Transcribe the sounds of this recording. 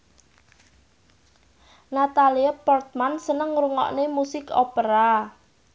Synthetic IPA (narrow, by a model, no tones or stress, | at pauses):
nat̪aliapɔrt̪̚mansənəŋɾuŋɔ̰ʔnemusɪkopəɾa